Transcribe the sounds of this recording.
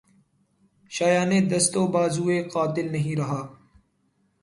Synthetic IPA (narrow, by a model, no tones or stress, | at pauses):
ʃaːjaːned̪ɐst̪oːbaːzuːeqaːt̪ɪlnɐɦĩɾɐɦaː